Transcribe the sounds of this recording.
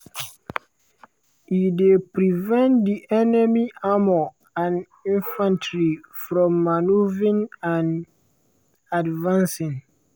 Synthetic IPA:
idepɾivɛ̃ntdiʔɛnɛmiamo | ãn | ĩnfãntʰɹifɹɔ̃mːanuvĩnãn | advãnsĩn

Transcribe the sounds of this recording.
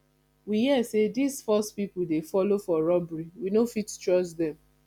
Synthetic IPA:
wihiɛsedisfɔstpipudefɔlofɔɹɔbɹiwinofittɹɔsdɛ̃m

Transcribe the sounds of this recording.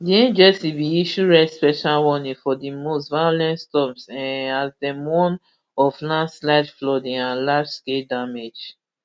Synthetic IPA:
diɛ̃nd͡ʒɛsibiiʃuɹɛspɛʃalwɔnĩfɔdimostvajolɛ̃ntstɔpsɛ̃nazdɛmɔ̃n | ɔflãnslaɪdflɔdĩŋãnlad͡ʒskedamed͡ʒ

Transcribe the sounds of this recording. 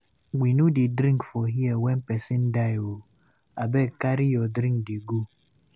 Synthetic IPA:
ɡ͡binudɪdɾĩŋkfɔɦiɛwɛn̩pɛsin̩dajwo | abekaɾijɔdɾĩŋkdiɡu

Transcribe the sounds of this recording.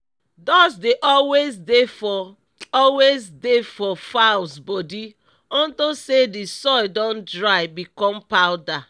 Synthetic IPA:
dɔsdeʔɔwesdef | ɔlwezdefɔfaʊsbɔdi | ɔ̃ntosedisɔɪdɔ̃ndɹaɪbikɔ̃mpaʊda

